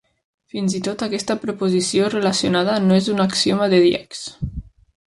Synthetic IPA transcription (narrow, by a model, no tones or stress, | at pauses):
finzit̪ot̪akɛst̪əpɾopozisiorelasionað̞ənoezunaksiomaðeðjɛ̰ks